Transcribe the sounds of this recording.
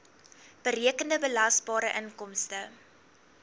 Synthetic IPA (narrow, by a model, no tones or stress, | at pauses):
b̥əɾiəkəndəbəlɐsbɑːɾəʔənkɔmstə